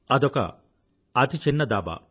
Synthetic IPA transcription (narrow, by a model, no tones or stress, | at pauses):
ɐd̪ɔkɐ̰ | ɐt̪it͡ʃinːɐd̪aːba̰